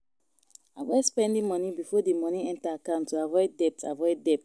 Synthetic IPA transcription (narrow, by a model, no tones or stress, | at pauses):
avɔspɛ̃ndĩmɔnibifɔdimɔniɛ̃ntaːkãʊ̃ntːuavɔɪdɛp̚ta̰vɔɪdɛp̚t